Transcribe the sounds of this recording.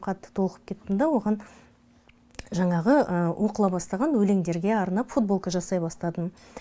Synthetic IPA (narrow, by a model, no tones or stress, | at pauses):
qʰɑt̪ːə̥t̪ʰo̞lˠqəp̚kʲʰe̞t̪ːɪnd̪ɑwo̞ʁɑn | ʒɑɴɑʁəʔəwʔo̞qəlˠɑbɑst̪ɑʁɑnwɵle̞ŋd̪e̞ɾɡʲe̞ɑɾnɑpfut̪̚bo̞lˠkəʒɑsɑjbɑst̪ɑd̪ən